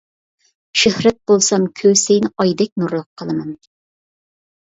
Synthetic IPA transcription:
ʃehɾɛt̪̚b̥olˠsɑmkʲʰøwsejnʔɑjd̪ɛk̚ʲnuɾlˠʊqʰːəlˠɨmɑn

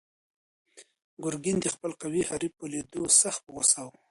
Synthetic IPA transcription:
ɡʊɾɡind̪əxpəlqawihaɾipoled̪osaxt̪̚pəɣosaw

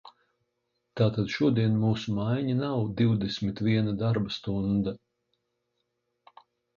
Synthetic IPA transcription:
t̪aːt̪ad̪ʃuɔd̪iɛnmuːsumajɲanawd̪iwd̪esʲmit̪vʲiɛnad̪aɾbast̪und̪a

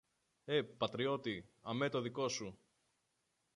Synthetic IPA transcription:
e̞pɐt̪ɾio̞t̪iɐme̞t̪o̞ðiko̞su

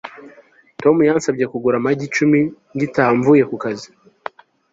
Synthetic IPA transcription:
to̞mujansabɟe̞kuɡuɾamaɟit͡ʃumiŋɡitaːɱvuje̞kukazi

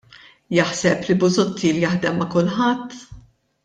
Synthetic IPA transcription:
jɐħsɛplibʊzʊt̪ʰːiːljɐħd̪ɛmːɐkʊlħɐt̪ː

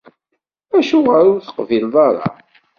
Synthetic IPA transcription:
æʃuʁæɾʊɾθə̥qvilðˤɑɾˤɑ̰

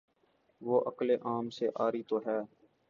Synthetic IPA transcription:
ʋoːʔəkleːʔaːmseʔaːɾiːt̪oɦɛː

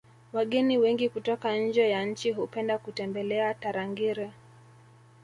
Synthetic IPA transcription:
waɠɛniwɛŋɡikutɔkanɲ̩d͡ʒɛjaɲ̩n̩t͡ʃiɦupɛndakutɛmbɛlɛataɾaŋɡiɾɛ

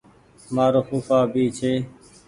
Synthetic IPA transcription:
maːɾoːxuːfaːbiːt͡ʃʰeː

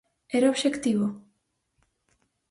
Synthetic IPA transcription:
eɾoβʃekt̪iβo

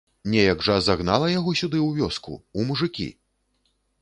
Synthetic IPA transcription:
nʲɛjɐɡʐɐzaɣna̰lˠɐjaɣɔsʲud̪ɨwvʲɔskṵumuʐɨkʲḭ

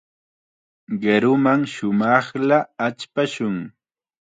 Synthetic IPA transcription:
ɢeɾʊmaŋʃʊmɑχlaːt͡ʃpaʃʊŋ

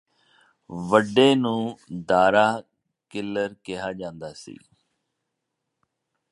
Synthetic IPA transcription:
ʋəɖːeːnũːd̪aːɾaː | kɪlːəɾkɪɦaːd͡ʒãːnd̪aːsḭː

